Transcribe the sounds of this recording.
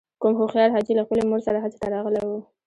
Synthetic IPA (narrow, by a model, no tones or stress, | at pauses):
kʊmxoxjɑɾɦɑd͡ʒilaxpəlemoɾsaɾaɦat͡se̥t̪aɾɑɣlewu